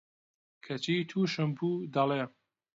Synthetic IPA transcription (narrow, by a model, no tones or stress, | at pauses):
kʰɐt͡ʃiːt̪ʰuːʃɨmpʰuːd̪ɐleː